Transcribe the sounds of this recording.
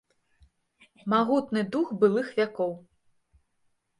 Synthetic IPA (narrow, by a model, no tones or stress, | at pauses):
maɣut̪nɨd̪uxbɨlˠɨxvʲakɔw